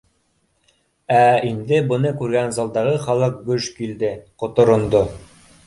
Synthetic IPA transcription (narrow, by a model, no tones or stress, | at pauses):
æind̪ɘbŏnɤkʉɾɡænzɑlˠd̪ɑʁɤχɑlˠɤq̚ɡɵʃkild̪ɘqŏt̪ŏɾŏnd̪o